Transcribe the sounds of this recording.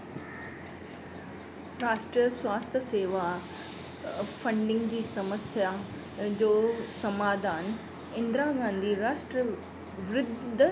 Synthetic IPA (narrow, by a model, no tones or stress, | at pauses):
ɾaːsʈɾiəswaːst̪ʰəseːʋa | fɐ̃ɳɖɪ̃ŋɡd͡ʑiːsɐməsja | d͡ʑoːsɐmaːd̪ʱaːn | ɪ̃nd̪ɾaɡãːnd̪ʱiɾaːʃʈɾə | ʋɾɪd̪ʱ